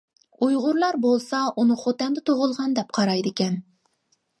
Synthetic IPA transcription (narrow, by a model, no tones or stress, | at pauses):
ujʁʊɾlˠɑɾbolˠsɑunɨχot̪ɛnd̪ɛt̪ʰoʁʊlˠʁɑnd̪ɛp̚qʰɑɾɑjd̪ɪkʲɛn